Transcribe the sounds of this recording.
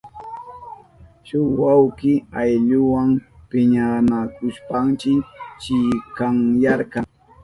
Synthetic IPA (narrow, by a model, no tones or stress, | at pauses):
ʃʊwawkɪajʎʊwaŋpɪɲanakʊʃpaŋt͡ʃɪt͡ʃɪkaŋjaɾkɑŋ